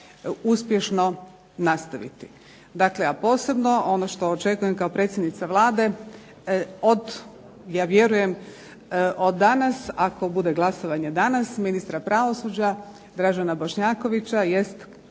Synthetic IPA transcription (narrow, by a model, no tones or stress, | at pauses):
uspje̞ʃno̞ | nast̪aʋḭt̪i̥ | d̪akleapo̞ːse̞bno̞o̞noʃt̪o̞ːt͡ʃe̞kujemkaopɾe̞ːt̪sʲjed̪nit̪saʋlˠaːd̪e̞ | od̪ | jaːʋje̞ɾuje̞m | ʔod̪ːanasako̞bud̪e̞ɡlˠaso̞ʋaɲe̞d̪anasminist̪ɾapɾaʋo̞sud͡ʑa | d̪ɾaʒanabo̞ʃɲaːko̞ʋit͡ɕaje̞st̪